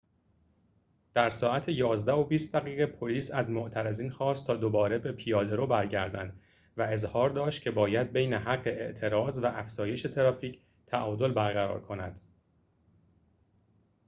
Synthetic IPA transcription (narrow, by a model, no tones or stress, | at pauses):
d̪̥æɾsɒːæt̪ʰejɒːzd̪æo̞biːst̪̚d̪æɣiːɣepʰo̞liːsæzmoʔt̪ʰæɾeziːnxɒːst̪ʰɒːd̪obɒːɾe̞be̞pʰijɒːd̪e̞ɾobæɾɟæɾd̪æ̰nd̪ | væe̞zhɒːɾd̪ɒːʃt̪̚cʰe̞bɒːjæd̪̚be̞jne̞ɦæɡːe̞eʔt̪ʰe̞ɾɒːzvæʔæfz̥ɒːje̞ʃe̞t̪ʰe̞ɾɒːfiːcʰ | t̪ʰæʔɒːd̪o̞lbæɾɣæɾɒ̰ːɾkʰo̞næ̰d̪̥